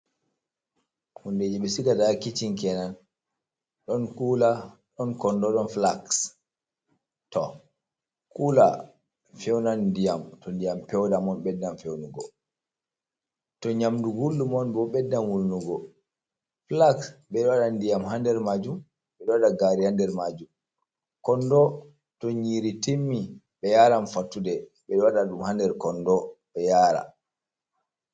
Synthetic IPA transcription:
hunded͡ʒɛɓɛsiɡadakit͡ʃiŋkɛnan | ɗɔnkulaɗɔnkɔndɔɗɔnflaks | tɔ | kula | fɛwnandijamtɔndijampɛwdamɔnɓɛdːanfɛwnuɡɔ | tɔɲamduɡulːumɔnbɔɓɛdːanwulnuɡɔ | plaksɓɛɗɔwaɗandijamɦandɛɾmad͡ʒum | ɓɛɗɔwaɗaɡaɾiandɛɾmad͡ʒum | kɔndɔ | tɔɲiːɾitemːi | ɓɛjaːɾanfatːudɛɓɛɗɔwaɗaɗumhandɛɾkɔnːdɔɓɛjaːɾa̰

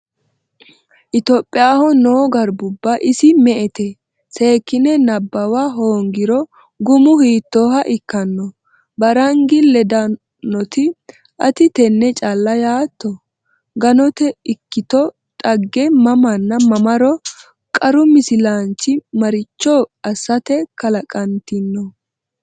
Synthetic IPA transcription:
ʔɪt̪oːpʼːɪjaːhɔnoːɡɐɾbʊbːɐʔɪsɪmɛʔɛt̪ɛ | se̞ːkːɪnɛnɐbːɐwaɦoːŋɡɪɾɔ | ɡʊmʊhiːt̪ːoːhɐʔɪkːɐnːɔ | bɐɾɐŋɡɪlɛd̪ɐ | nɔt̪ɪ | ʔɐt̪ɪt̪ɛnːɛt͡ʃʼalːɐjaːt̪ːɔ | ɡɐnɔt̪ɛɪkːɪt̪ɔ | t̪ʼɐɡːɛmɐmɐnːɐmɐmɐɾɔ | kʼɐɾʊmɪsɪlant͡ʃːɪmɐɾɪt͡ʃːɔɐsːɐt̪ɛkɐlɐkʼɐnt̪ɪnːɔ

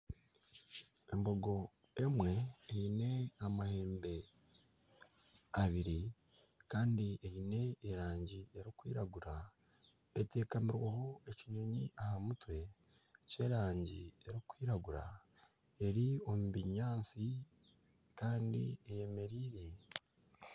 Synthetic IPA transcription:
e̞mbo̞ɡo̞ | e̞mwe̞ːine̞amahe̞ːmbe̞ | aβiɾi | kaːndieine̞ːɾaːɲɟieɾikwiːɾaɡuɾa | ete̞ːkamiɾwaho̞e̞ciɲuɲiʔahamutwe̞ | ce̞ɾaːɲɟḭeɾikwiːɾaɡuɾa̰ | e̞ɾio̞mubiɲaːsi | kaːndḭeje̞me̞ɾiːɾe̞

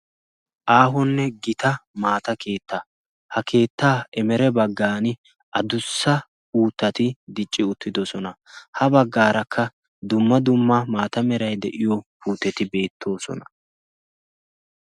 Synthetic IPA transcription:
ʔaːɦɔnːɛɡɪt̪ɐmaːt̪ɐkʰe̞ːt̪ːɐ | hɐke̞ːt̪ːaːɛmɛɾɛbɐɡːaːnɪ | ʔɐd̪ʊsːɐ | uːt̪ːɐt̪ɪd̪ɪt͡ʃʼːɪʊt̪ːɪd̪ɔsɔnɐ | hɐbɐɡːaːɾɐkʰːɐ | d̪ʊmːɐd̪ʊmːɐmaːt̪ɐmɛɾɐjd̪ɛʔɪjɔpuːt̪ːɛt̪ɪbe̞ːt̪ʰːo̞ːsɔ̰nɐ

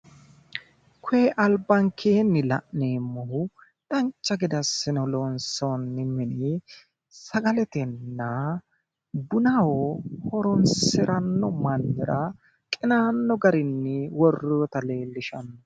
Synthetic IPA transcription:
kʰʊeʔɐlbːɐŋkʰeːnːɪlɐ̰ʔneːmːɔhʊ | ᶑɐnt͡ʃːɐɡɪd̪ɐsɪnɔlonsonːɪmɪni | sɐɡɐlɛt̪ɛnːɐ | bʊnɐwɔhɔɾɔnsɪɾɐnːɔmɐnːɪɾɐ | kʼɪnaːnːɔɡɐɾɪnːɪwɔrːɔɔt̪ɐle̞ːlːɪʃɐnːɔ

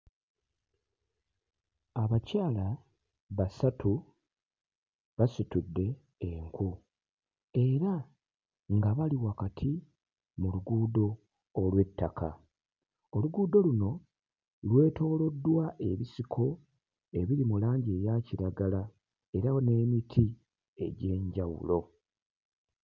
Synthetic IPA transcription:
aβacaːla | βasatu | βasitudːe̞ː | ŋku | e̞ɾa | ŋɡaβaliwakatʰi | muluɡuːdo̞ː | lwe̞tːakʰa̰ | oluɡuːdo̞luno̞ | lwe̞ːto̞ːlo̞dːwaʔe̞̰βisikʰo̞ | e̞βiɾimulaːɲɟeːjaciɾaɡala | e̞ɾawone̞ːmitʰi | e̞̰ɟe̞ːɲɟawṵlo̞

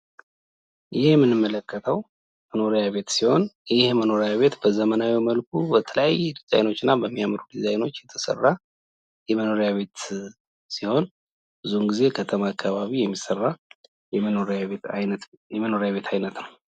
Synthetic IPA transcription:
jɪhjɛmːɨnɨmːələkʰːət̪ʰəw | məno̞ɾjaβe̞t̪siho̞njɪhməno̞ɾejaβe̞t̪bəzəmənawiməlkʰubət̪ʰələjajːɛd̪iz̥a̰jno̞t͡ʃːɪnːabəmːijamɾud̪izajno̞t͡ʃːjɛt̪ʰə̥sə̰rːa | jɛməno̞ɾejaβe̞t̪ | siho̞n | bɨzunɡize̞kʰət̪ʰəmaːkʰːaβaβijɛmːisərːa | oɾaejɛməno̞ɾjaβe̞t̪ʰajnət̪nəw

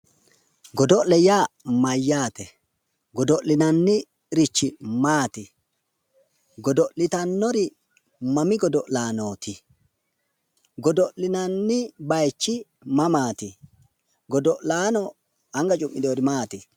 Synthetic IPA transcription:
ɡɔd̪ɔʔlɛjaːmɐjːaːt̪ɛ | ɡɔd̪ɔʔlɪnɐnːɪ | ɪɾɪt͡ʃːɪmaːt̪ɪ | ɡɔd̪ɔʔlɪt̪ɐnːɔɾɪ | mɐmɪɡɔd̪ɔʔlaːnoːt̪ɪ | ɡɔd̪ɔʔlɪnɐnːɪbɐjt͡ʃːɪ | mɐmaːt̪ɪ | ɡɔd̪ɔʔlaːnɔ | ɐŋɡɐt͡ʃʼʊmʔːɪd̪oːɾɪmaːt̪ɪ

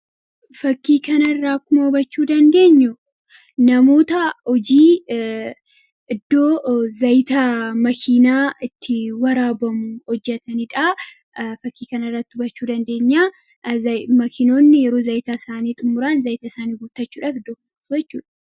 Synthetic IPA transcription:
fɐkːiːkɐnɐrːaːkʊmɐhʊbɐt͡ʃːuːd̪ɐnd̪e̞ːɲːʊ | nɐmo̞ːt̪ɐhɔd͡ʒiː | ɪd̪ːo̞ːzɐjt̪ɐmɐkʰiːnaːɪt̪ʰːɪwɐɾaːbɐmʊhɔd͡ʒːɛt̪ɐnɪᶑa | fɐkːiːkɐnɐrːɐt̪ːɪ̥ʊbɐt͡ʃːuːd̪ɐnd̪e̞ːɲːaː | ɐmɐkʰɪno̞ːnːɪjɛɾo̞ːzɐjt̪aɪsaːniːt̪ʼʊmːʊɾaːnzɐjt̪ɐsaːniːɡuːt̪ːɐt͡ʃːuːᶑʔaːfɪd̪ːoːkʊm | bɛt͡ʃːṵːᶑɐ̥

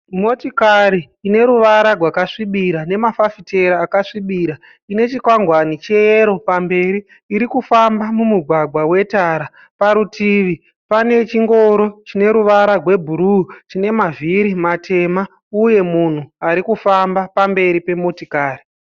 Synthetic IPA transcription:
mo̞tikaɾiːne̞ɾuʋaɾarwakaʂiɓiɾane̞mafafite̞ɾaːkaʂiɓiɾa | ine̞t͡ʃikwaŋɡwanit͡ʃeeɾo̞pambe̞ɾiː | ɾikufambamumuɡʱwaɡwawe̞taːɾa | paɾutiʋi | pane̞t͡ʃiŋɡo̞ɾo̞t͡ʃine̞ɾuʋaɾarwe̞bʱuɾut͡ʃine̞maviɾimate̞ma | uje̞mun̤uaɾikufambapambe̞ɾipe̞mo̞tikaːri

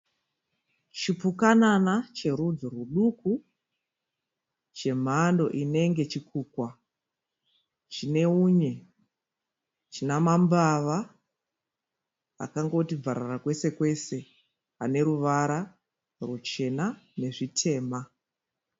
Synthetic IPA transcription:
t͡ʃipukananat͡ʃe̞ɾud͡zoruɗuku | t͡ʃe̞m̤ando̞̰ʔine̞ŋɡe̞t͡ʃikuːkwa | t͡ʃine̞uɲe̞ | t͡ʃinamambaʋa | a̰kaŋɡo̞tib͡vaɾarakwe̞se̞kwe̞se̞ | ane̞ɾuʋaɾa | rut͡ʃe̞nane̞ʐitʰe̞ːma

